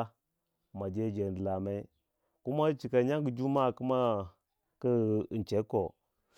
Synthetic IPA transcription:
ma˨d͡ʒe˦d͡ʒe˨n˨dla˨ma˦i˦ | ku˦ma˦t͡ʃi˨ka˨ɲa˦ŋɡd͡ʒu˦ma˦˨ku˦ma˦ | kə˦˨nt͡ʃe˦ko˨

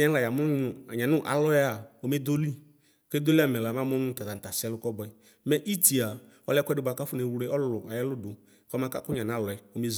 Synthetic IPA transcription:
ɛ˦la˨ja˨mʊ˦nʊ˨a˨ɲã˨nʊ˦ʔa̰˨lɔ˦ja˦a˨o˨me˦d̪o˦li˦ | ke˦d̪o˦li˦a˦mɛ˨la˨mã˦m˦nʊ̃˦t̪a˨t̪a˨t̪a˨sɛ˦lʊ˦kɔ˦bɔ˨ɛ˨ | mɛ˦ʔi˦ti˨a˨ | ɔ˦lɛ˦kʷɛ˦dʊ˨˦ba˨ka˦fʊ˦ne˨wɛ˦ʔɔ˦ʊ˨a˨jɛ˦lʊ˦dʊ˨ | kɔ˦mã˦ka˦kʊ˦ɲã˨n˨a˨˦˨lɔ˨ɛ˨o˨m˦e˦z

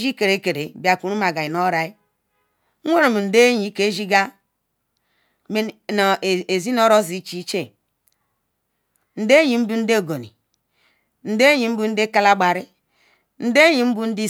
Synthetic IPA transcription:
d͡ʒi˦ke˨ɾe˨˦ke˨ɾe˨bi˨a˨ku˨ɾu˦ma˨ɡa˨ji˨no˦ɾa˨i˦ | e˦ɾo˨mu˨n̩˨de˦ɲi˨˦ke˦ʒi˦ɡa˦ | me˦˨n˨e˨zi˦no˦ɾo˦zi˨˦t͡ʃi˦t͡ʃe˦ | n̩˨de˦ɲi˨˦m̩˦bu˦n̩˦de˦˨ɡo˨nḭ˨ | n̩˨de˦ɲi˨m̩˦bu˦n̩˦de˦ka˦la˦ɡ͡ba˨ɾi˦ | n̩˦de˦ɲi˨m̩˦bu˦n̩˦di˦

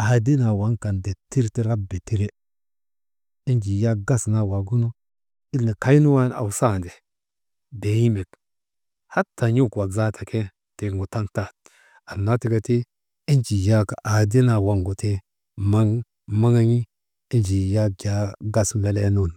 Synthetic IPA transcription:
a˨di˦na˨wa˨˦ŋka˨nde˨ti˦ɾti˦ɾa˦be˨ti˦ɾe˦ | i˦nd͡ʒi˨ja˦ɡa˦sna˨wa˨ɡu˦no˦ | i˦lːi˨ka˦i˦nu˦wa˦na̰˨wsa˦˨nde˨ | de˨ji˦me˨k | ha˦tːa˨ɲu˦˨kwa˨ɡza˦tʰa˨kʰe˦ | te˨ŋɡu˨ta˦ŋta˦˨t̚ | a˨nːa˦ti˦ka˦ti˦ | i˦nd͡ʒi˨ja˦ka˨ʔa˨di˦na˨wa˨ŋɡo˨te˦ | ma˦ŋ | ma˦ŋa˦ɲi˦ | i˦nd͡ʒi˨ja˦ɡʲa˨˦ɡa˦sna˦le˦nu˦˨n

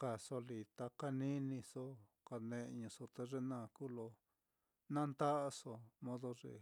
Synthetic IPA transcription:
ka˨so˧li˨t̪a˧ka˧nĩ˦nĩ˧so˦ | ka˧nẽ˧ʔɲũ˧so˧t̪e˧ʐe˧nãː˦˧˨kuː˦lo˧ | nã˦˧nt̪a˦ʔa˧so˧mõ˦ðo˧ʐḛ˧˨

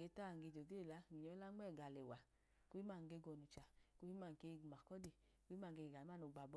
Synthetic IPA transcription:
ɡe˧˦ta˦˨ɡe˧˨d͡ʒo˨ɡe˦˨la˨˦˨ɡi˨ɲɔ˧˦la˦ŋ͡mɛ˦˨ɡa˨lɛ˨wa˨ | ko˦i˦ma˦˨ŋ˧ɡe˧˦ɡɔ˧˨nu˨t͡ʃa˨ko˦hi˦ma˦˨ŋ˨ke˧˦˧ɡma˨kɔ˦de˨ | ko˦i˦ma˦˨ŋ˧ɡe˧˨ɡa˨i˦a˦˨no˨˧˨ɡ͡ba˨bɔ˧˦

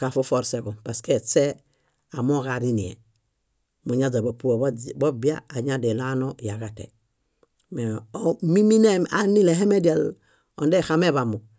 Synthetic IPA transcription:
ka˨fu˦fo˦ɾse˨ɡo˨pa˨ske˦˨t͡se˦ | a˨mo˦ɣa˨ɾi˦ni˨ḛ˨ | mu˨ɲa˦d͡ʒa˨ba˨pu˦o˨bo˦bi˦a̰ː˦˨ɲa˦de˨la˦no˦ja˨ɡa˨tḛ˨ | me˨mi˦mi˦ne˦ma˨ni˦le˨ɦe˦me˦die˨l | o˨nde˦xa˦me˦βa˨mu˨

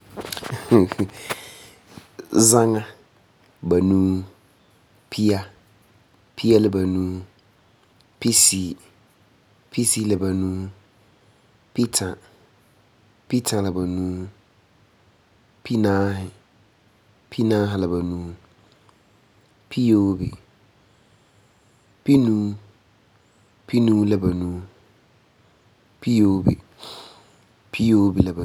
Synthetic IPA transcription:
zã˦ŋã˦ | bæ˨nũ˦ | pʰi˦a˦ | pʰi˦a˦lɪ˦˨bæ˨nũː˦ | pʰi˦si˨ | pʰi˦si˦lɪ˨bæ˨nũ˦ | pʰi˦tʰa˨ | pʰi˦tʰa˨lɪ˨bæ˨nũ˦ | pʰi˦nã˦ɦɪ˨ | pʰi˦nã˦ɦɪ˨la˨ba˨nũ˦ | pʰi˦joː˨˦bḭ˨ | pʰi˦nũ˦ | pʰi˦nũ˦lɛ˨ba˨nũ˦ | pʰi˦jo˨˦bḭ˨ | pʰi˦joː˦bi˨lɛ˨ba˨

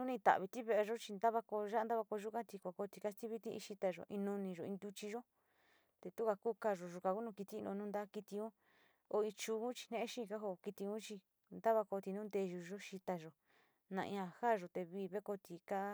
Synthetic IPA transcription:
nũ˦nĩ˧t̪a̰˨βi˧t̪i˦βe˦ʔe˧ʒo˦t͡ʃi˧nd̪a˦βa˧ko˧ʒa˦a˧nd̪a˦βa˧ko˧ʒu˦kã˦t̪i˧kʷa˨ko˧t̪i˧ka˦st̪i˦βi˦t̪i˦ḭ̃˧ʃi˧t̪a˧ʒo̰˨ʔĩ˧nũ˧nĩ˧ʒo˨ĩ˧nd̪u˦t͡ʃi˧ʒo˦ | t̪e˧t̪u˦ka˧ku˦ka˧ʒo˨ʒu˧ka˧ku˦nũ˧ki˧t̪i˧˦˧nõ̰˧nũ˦nd̪a˦ki˧t̪i˧ũ˦ | o˧ĩ˧t͡ʃuː˧ũ˦t͡ʃi̥˧n̥ẽ˦ẽ˦ʃĩ˦˧ka˦ɦo˧ki˧t̪i˧ũ˦t͡ʃi˧ | nd̪a˦βa˧ko˧t̪i˧nũ˦nd̪e˧ʒu˧ʒo˦ʃi˧t̪a˧ʒo˨ | nã̰˧ʔĩ˧ã˧haː˦˨ʒo˨t̪e˧βiː˧˦˨βe˦ko˧t̪i˧ka˦

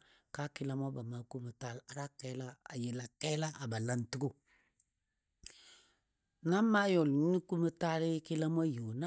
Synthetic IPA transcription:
ka˦kɪ˨la˦m˦a˦ba˨ma˨ku˦mə˨ta˦la˦ɾa˦kɛ˦la˦a̰˨je˨la˨kɛ˦la˦ʔa˨ba˨la˨˦n˦tu˦ɡu˦˨ | na˦ma˦jo˨lɲi˦ni˦ku˦mə˦ta˦lɪ˦kɪ˦la˦m˦a˦jo˨na˦

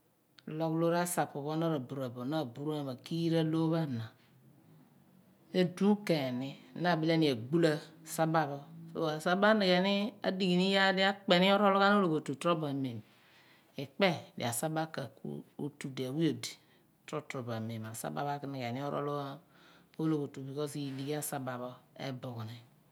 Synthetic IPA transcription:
lo˦klo˦ɾa˦sa˨pu˨βo˦na˦ɾa˨bu˨ɾa˨bo˨na˦˨bu˨ɾu˦a˨ma˨ki˦jɾa˦lo˦βa˦˨na˨ | e˦du˦ke˨ni˦˨na˦˨bi˦le˦ni˨a˨ɡ͡bu˦la˦˨sa˦ba˦βo˦fo̰˨˦a˨sa˦ba˦ni˨ɡe˨ni˦a̰˦di˨ɡi˨ni˦ja˦di˦a˦k͡pe˨ni˦o˦ɾo˦lo˦ka˦n˦o˦lo˨ko˨tu˨tɾo˦ba˨me˨m | i˨k͡pe˦˨dḭ˨a̰˨sa˦ba˦ka˨kṵ˦o̰˦tu˨di˨a˨wi˦o˨di̥˨ | tɾo˦tɾo˨ba˨me˨ma˨sa̰˦ba̰˨ba˦kni˨ke˨ni˦o˦ɾʔo̰˦lo˦a˦o˦lo˨ko˨tu˨bi˨kɔ˦si˨di˨ɡi˦a˦sa˨ba˨βo˦ḛ˦bo˨ku˨ni˨

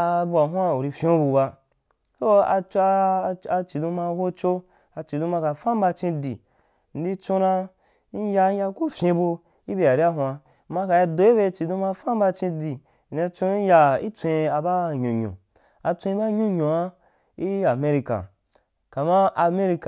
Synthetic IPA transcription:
bu˧a˨ɦʷa˦u˨ɾi˧fʲõ˦bu˧ba˧ | to˦a̰˧t͡ʃa˧t͡ʃi˨dũ˧ma˧wo˦t͡ʃo˦ | a˧t͡ʃi˨dũ˧ma˧ka˨fã˦m˦ba˧t͡ʃĩ˧di˨ | n̩˨˦di˧t͡ʃo˧nã˧ | n̩˦ja˧˦ja˧ku˦fʲẽ˧bu˧ | i˦be˧a˨ɾi˦a˦ɦw̃a˧˨ | ma˧ka˨ja˧do˨e˦be˧˨t͡ʃi˨dũ˧ma˧fã˦m˦ba˧t͡ʃĩ˧di˨ | n̩˨e˧t͡ʃõ˧˦ja˧ḭ˦t͡sʷẽ˧a˧ba˦ɲũ˨ɲõ̰˨ | a˧t͡sʷẽ˧ĩ˧˦ba˦ɲũ˦ɲõ˨a˦ | i˦a˨me˦ɾi˧ka̰˨ | ka˨mã˦ʔa˧me˦ɾi˧ka˨

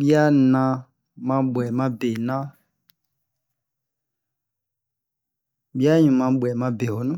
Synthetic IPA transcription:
bi˦a˦nã˧˦ | mã˧ɓwɛ˨mã˧˦be˨nã˦ | ɓi˦a˦ɲũ˨mã˧ɓwɛ˨mã˧be˨ho˨nũ˦

